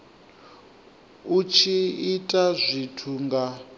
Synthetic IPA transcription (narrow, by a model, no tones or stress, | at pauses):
ut͡ʃʰiitʼazʷitʰuŋɡa